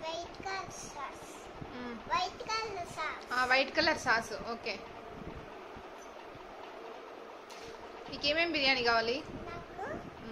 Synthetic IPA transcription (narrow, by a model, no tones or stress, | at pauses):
ʋɐjʈkalsaːɾs | mʋɐjʈkalsaːaːʋɐjʈkɐlːɐɾsaːsuoːkeː | iːkeːmeːmbiɾjaːɳikaːʋaːlinaːku